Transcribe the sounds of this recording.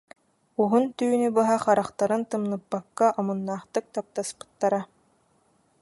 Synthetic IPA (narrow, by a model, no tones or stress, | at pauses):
uɦunt̪yːnybɯɦaχaɾaχt̪aɾɯnt̪ɯmnɯpːakːaʔɔmunːaːχt̪ɯk̚t̪ap̚t̪aspɯ̥t̪ːaɾa